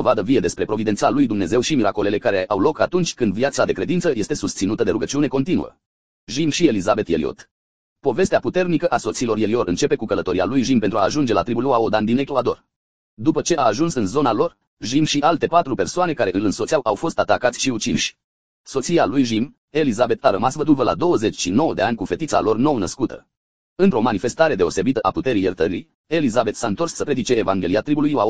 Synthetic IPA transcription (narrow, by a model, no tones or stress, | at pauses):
d̪o̞vad̪əvije̞d̪espɾe̞pɾo̞vid̪et̪salujd̪umne̞ze̞wʃimiɾako̞le̞le̞kaɾeʔawlo̞kat̪unt͡ʃʲkɨnd̪viat̪sad̪e̞kɾe̞d̪int̪səje̞st̪e̞sust̪sinut̪əd̪e̞ɾuɡət͡ʃiune̞ko̞nt̪inṵə̰ | ʒimʃie̞lizabe̞t̪jelio̰t̪ | po̞ve̞st̪eaput̪e̞rnikəʔaso̞t̪silo̞rje̞lio̞ɾɨ̰nt͡ʃe̞pe̞kukələt̪o̞ɾialujʒimpent̪ɾua̰ːʒund͡ʒe̞la̰t̪ɾibuloaod̪and̪ineklad̪o̞̰r | d̪upət͡ʃe̞ʔaːʒunsɨnzo̞nalo̞r | ʒimʃiʔalt̪e̞pat̪ɾupe̞rsoane̞kaɾeʔɨlɨnso̞t̪siawʔawfo̞st̪at̪akat̪sʲʃiut͡ʃinʃʲ | so̞t̪sialujʒim | e̞lizabe̞t̪aɾəmasvəd̪ulvəlʔa̰d̪o̞wəze̞t͡ʃʲʃino̞wəd̪e̞anʲkufe̞t̪it̪sa̰lo̞rno̞wnəskut̪ʰə̰ | ɨnt̪ɾo̞manife̞st̪aɾe̞d̪e̞o̞se̞bit̪əʔaput̪e̞ɾijərt̪əɾḭ | e̞lizabe̞t̪saɨnt̪o̞rsːəpɾe̞d̪it͡ʃe̞ːvaŋɡʲe̞lijat̪ɾibuluja